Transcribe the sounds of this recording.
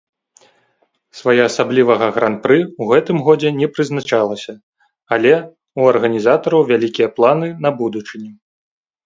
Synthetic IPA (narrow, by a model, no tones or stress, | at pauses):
svajɛasablʲivɐɣɐɣɾant̪̚pɾɨuɣɛt̪ɨmɣɔd͡zʲɛnʲɛpɾɨznat͡ʂalˠɐsʲɐ | alʲɛ | uɐrɣɐnʲizat̪ɐɾɐwvʲalʲikʲijɐplˠanɨnɐbud̪ut͡ʂɨnʲi